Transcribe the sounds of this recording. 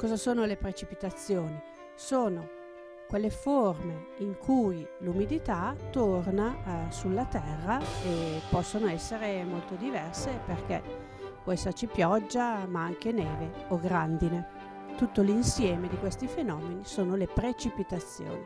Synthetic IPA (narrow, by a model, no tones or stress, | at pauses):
kɔːzasoːnolepɾet͡ʃipit̪at̪sːjoːni | soːno | kwelːeforme | iŋkʰujlumid̪it̪at̪ornasulːat̪ɛrːaepɔsːonoɛsːeɾemolt̪od̪ivɛrseperkɛ̰ | pwɔɛsːat͡ʃipjɔd͡ʒːamaaŋk̟eneːveoɡɾand̪ine | t̪ut̪ːolinsjɛːmed̪ikwest̪ifenɔːmenisoːnolepɾet͡ʃipit̪at̪sːjo̰ːni